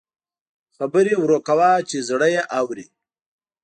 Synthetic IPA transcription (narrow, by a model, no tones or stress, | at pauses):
xabəɾewɾokawaːt͡ʃezɽəjeʔawɾi